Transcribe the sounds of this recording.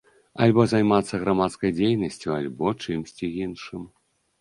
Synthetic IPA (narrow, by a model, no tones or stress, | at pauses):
a̰lʲbɔzajmat̪sːɐɣɾamat̪skɐjd͡zʲejnɐsʲt͡sʲjualʲbɔt͡ʂɨmsʲt͡sʲiɣinʂɨm